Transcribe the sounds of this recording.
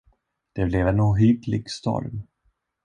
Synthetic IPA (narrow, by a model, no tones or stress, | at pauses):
d̪̥ɛblɛvɛnuːɦyːd̪lɪɡst̪ɔ̰ɾm